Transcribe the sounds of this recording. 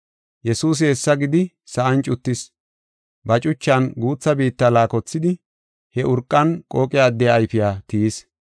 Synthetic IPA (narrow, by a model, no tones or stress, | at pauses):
jɛsuːs̬ɪɛsːɐɡɪd̪ɪ | sɐʔɐnt͡ʃʼʊt̪ːɪs | bɐt͡ʃʼʊt͡ʃːɐnɡuːt͡sːɐbiːt̪ːɐlaːkɔt͡sːɪd̪ɪ | hɛʔʊɾkʼːɐnkʼoːkʼɪjaːd̪ːɛjaːjfɪjaːt̪ɪjs